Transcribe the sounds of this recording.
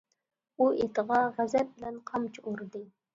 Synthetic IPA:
uet̪əʁɑʁæzɛp̚bɪlɛnqʰɑmt͡ʃʰuɾd̪ɨ

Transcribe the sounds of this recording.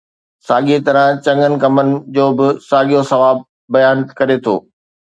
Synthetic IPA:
saːɠiet̪ɐɾə̃t͡ɕɐ̃ŋɡənɪ̆kɐmənɪ̆d͡ʑoːbɪsaːɠijosɐʋaːb̚ː | ɐjaːnkɐɾet̪ʰo̰ː

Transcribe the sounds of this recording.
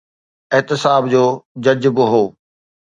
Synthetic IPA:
ɪɦt̪ɪsaːbd͡ʑoːd͡ʑɐd͡ʑbɪɦoː

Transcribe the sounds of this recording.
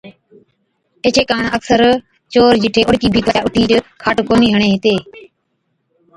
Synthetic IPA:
eːt͡ʃʰeːkaːɳəksəɾ | t͡ʃoːɾd͡ʒɪʈʰeːʔʊɽkiːbʱiːkət͡ʃaːʊʈʰiːɾkʰaːʈkoːniːɦəɳeːɦt̪eː

